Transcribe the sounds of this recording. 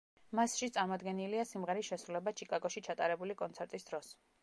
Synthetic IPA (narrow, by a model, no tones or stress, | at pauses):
masʃit̪sʼaɾmɔd̪ɡɛniliasimʁɛɾisʃɛsɾulɛbat͡ʃʰikʼaɡɔʃit͡ʃʰat̪ʼaɾɛbulikʼɔnt̪sʰɛɾt̪ʼisd̪ɾɔs